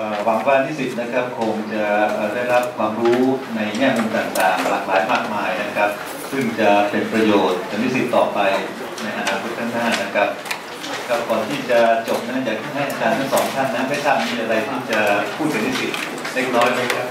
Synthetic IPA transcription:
ʔəː˨˩wa˩˦ŋwa˦˧t̪ʰiː˥˩si˨˩t̪̚na˦˥kʰa˦˥p̚kʰo˧ŋt͡ɕa˨˩ʔəː˨˩da˥˩jɾa˦˥p̚kʰwaː˧mɾuː˦˥na˧jŋɛː˥˩mu˧nt̪aː˨˩ŋt̪aː˨˩ŋ˧laː˨˩k̚laː˩˦jmaː˥˩k̚maː˧jna˦˥kʰɾa˦˥p̚ | sɯ˥˩ŋt͡ɕa˨˩pe˧npɾa˧joː˨˩t̪̚ʰːa˨˩˦ni˦˥˩si˨˩t̪ːɔː˨˩pa˧j | na˧jʔa˧naː˧kʰo˦˥t̪̚ʰːa˥˩ŋaː˥˩nna˦˥kʰɾa˦˥p̚ | kʰa˦˥p̚kɔː˨˩nt̪ʰiː˥˩t͡ɕa˨˩t͡ɕo˨˩p̚na˦˥t͡ɕaː˨˩k̚t̪ʰa˥˩ŋɦa˥˩jʔa˨˧˩t͡ɕaː˧nt̪ʰa˥˩ŋsɔː˩˦ŋt̪ʰaː˥˩nnːa˦˥ma˥˩t̪ʰaː˥˩m̚ni˧˥˩ʔa˧ɾa˧jt̪ʰiː˥˩t͡ɕa˨˩pʰuː˥˩ka˧nt̪ʰiː˦˥˩si˨˩t̪̚ | le˦˥k̚nɔː˦˥jlɤː˦˥˩kʰa˦˥p̚

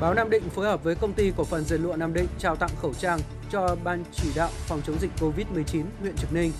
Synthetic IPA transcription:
ɓaː˨˦wnaː˧mɗḭ̈˧˨ŋ̟foː˨˦jhəː˨˩p̚vəː˨˦jkə˧wŋ͡mt̪i˧ku˧˩əfə˨˩nzḭ˨˩lṵ˧˨naː˧mɗḭ̈˧˨ŋ̟t͡ɕaː˧˩wt̪a̰˧˨ŋ͡mxə˧˩wt͡ɕaː˧ŋ | t͡ɕɔ˧ɓaː˧nt͡ɕi˧˩ɗa̰ː˧˨wfɔ˨˩wŋ͡mt͡ɕə˨˦wŋ͡mzï˨˩k̟̚ko˧vi˦˥t̚mɨ˨˩əjt͡ɕi˨˦nhwḭ˧˨ənt͡ɕɨ˨˩k̚nï˧ŋ̟

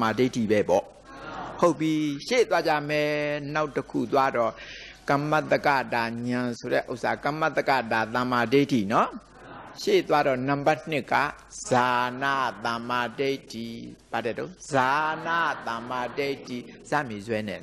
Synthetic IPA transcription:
ma˨de˦tʰi˨bɛ˦pɔ̰˦˨ | ho˦ʊpːji˦ʃe˦˨t̪wa˦d͡ʑa̰˦˨mɛ˦˨na˦ʊtːəkʰṵ˦˨t̪wa˦dɔ˦˨ | kã˨ma˦t̪ːə˦ka̰˦˨d̪a˨ɲã˨sʰo˨ɾɛ̰˦˨ʔo˦ʊʔsʰa˨kã˨ma˦t̪ːə˦ka̰˦˨d̪a˨t̪ã˨ma˨de˦tʰi˨nɔ˦ | ʃḛ˦˨t̪wa˦ɾɔ˦˨nã˨mba˦˨n̥ɪ˦kːa̰˦˨ | z̥a˨na̰˦˨t̪ã˨ma˨de˦ɪtʰːi˨b̥a˨dɛ˦˨to˦za˨na˦˨t̪ã˨ma˨de˦˨tʰːi˨ | z̥a̰˦˨me˨zwɛ˦nɛ̰˨

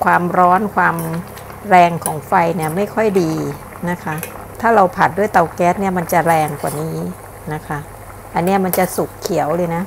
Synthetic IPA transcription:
kʰwaː˧mɾɔː˦˥nkʰwaː˧m | ɾɛː˧ŋkʰɔː˩˦ŋfa˧jni˥˩ɐma˥˩jkʰɔ˥˩jdiː˧ | na˦˥kʰa˦˥ | t̪ʰaː˥˩ɾa˧wpʰa˨˩t̪̚du˥˩əjt̪a˧wkɛː˦˥t̪̚ni˥˩ɐma˧nt͡ɕa˨˩ɾɛː˧ŋkwaː˨˩niː˦˥ | na˦˥kʰa˦˥ | ʔa˧nːi˦˥˩ɐma˧nt͡ɕa˨˩su˨˩kkʰːi˨˩˦ə˦wlɤː˧jna˦˥ʔ

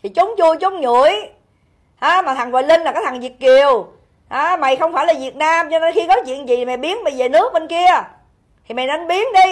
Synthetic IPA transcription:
t̪ʰi˨˩t͡ɕʊ˨˦wŋ͡mt͡ɕu˧əjt͡ɕʊ˨˦ŋ͡mɲṵ˧˩˨əj | haː˨˦maː˨˩t̪ʰa˨˩ŋvɔː˨jlï˧ŋla˨˩kaː˨˦t̪ʰa˨˩ŋzi˨˩ət̚ki˨˩əw | haː˨˦ma˨˩jxə˧wŋ͡mfaː˧˩jlaː˨˩vi˨˩ət̚naː˧mt͡ɕɔ˧ne˧nxi˧kɔ˨˦t͡ɕwḭ˧˨ənzḭ˨˩i˨˩mɛ˨˩ɓi˨˦ənma˨˩ve˨˩nɨ˦˥ək̚ɓe˧nki˧ə | t̪ʰi˨˩mɛ˨˩na˨˦nɓi˨˦ənɗi˧

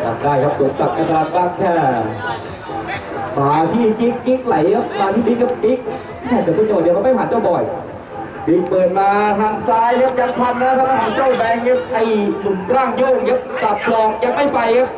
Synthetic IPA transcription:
kʰa̰˨˩kaː˧˩jkʰa˦˥p̚suː˨˦ŋsa˨˩k̚ka˧˩t̪ʰaː˧nka˦˥˩ŋ̚t̪ʰɛː˧˩ | faː˨˦t̪ʰiː˥˩t͡ɕi˦˥kːi˦˥k̚la˨˦jkʰa˦˥p̚ːaː˧t̪ʰiː˥˩di˦˥k̚kʰa˦˥p̚pi˦˥k̚ | mɛː˥˩k̪ːt̪oː˧˥˩ɲɔː˨˩diː˧˩kʰma˥˩jhaː˨˦nt͡ɕa˥˩wbɔ˨˩j | pi˦˥k̚pɤː˨˩t̪̚maː˧t̪ʰaː˧ŋsaː˧jnː˦˥ka˦˥ja˧˥ŋ̚pʰa˧nːaː˦˥˩tʰa˧˩ma˧˩ɦaː˨˦nt͡ɕa˥˩wbɛː˧ŋja˦˥ʔa˧˩jnu˨˩nkɾaː˥˩ŋjoː˥˩ŋka˦˥p̚sa˨˩p̚kʰlɔː˧ŋja˨˧˥k̚ma˥˩jfa˧jkʰa˦˥p̚

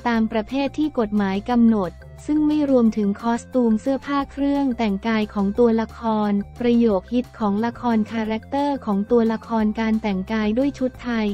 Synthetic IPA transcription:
t̪aː˧mpɾa˧pʰeː˥˩t̪ʰːiː˥˩ko˨˩t̪̚maː˩˦jka˧mno˨˩t̪̚ | sɯ˥˩ŋma˥˩jɾu˧əmt̪ʰɯ˩˦ŋkʰɔː˦˥st̪uː˧msɯ˥˩ɐpʰaː˥˩kʰɾɯ˥˩əŋt̪ɛ˨˩ŋkaː˧jkʰɔː˩˦ŋt̪u˧ɐla˧kʰɔː˧npɾa˧joː˨˩k̚hi˦˥t̪̚kʰɔː˩˦ŋla˧kʰɔː˧nkʰaː˧ɾɛ˦˥k̚t̪ɤː˥˩kʰɔː˩˦ŋt̪u˧ɐla˧kʰɔː˧nkaː˧nt̪ɛ˨˩ŋkaː˧jdu˥˩əjt͡ɕʰu˦˥t̪ʰːa˧j

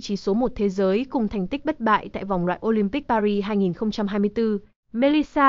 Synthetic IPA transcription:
t͡ɕi˨˦so˨˦mo˨˩t̚t̪ʰe˨˦zəː˨˦jkʊ˨˩ŋ͡mt̪ʰɛ˨˩jŋ̟t̪ï˦˥k̟̚ɓt̚ɓa̰ː˧˨jt̪a̰ː˧˨jva˨˩wŋ͡mlwa̰ː˧˨jʔo˧li˧mpi˦˥k̚paː˧ɾi˧ɦaː˧jŋi˨˩nxə˧wŋ͡mt͡ɕa˧mɦaː˧jmɨ˧əjt̪ɨ˧ | me˧li˧saː˧

